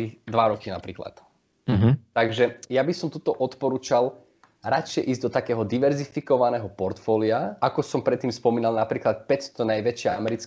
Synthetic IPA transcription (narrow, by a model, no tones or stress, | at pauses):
id̪ʋaɾɔkina̰pɾiːkla̰t̪̩ | ɦt̪aɡʒɛjabisɔmt̪ut̪ɔʔɔt̪pɔɾuːt͡ʃal | ɾat͡ʃɪjɛʔiːzɟd̪ɔt̪akɛːɦɔd̪iʋɛɾzifikɔʋanɛːɦɔpɔɾt̪fɔːliaakɔsɔmpɾɛt̪ːiːmspɔmiːnalˠnapɾiːklat̪pɛcst̪ɔnajʋɛt͡ʃɪaamɛɾit͡sk